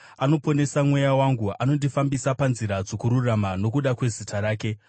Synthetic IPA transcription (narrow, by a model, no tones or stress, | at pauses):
ano̞po̞ne̞samwe̞jawaŋɡuʔano̞ndifambisapanziɾad͡zokuɾuramano̞kuɗakwe̞zitʰaɾaːke̞